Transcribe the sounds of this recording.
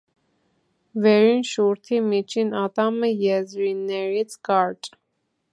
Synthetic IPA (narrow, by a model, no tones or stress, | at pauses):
vɛɾinʃuɾt̪ʰimit͡ʃʰinɑt̪ɑməjɛzɾinːɛɾit͡sʰkɑɾt͡ʃʼ